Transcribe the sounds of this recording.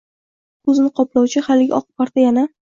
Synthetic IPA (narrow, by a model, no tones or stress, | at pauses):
kʰɵzɪnɪqʰɒplˠɑwt͡ʃʰɪhalɪɡʲa̰ʔɒqɨ̥paɾt̪ajana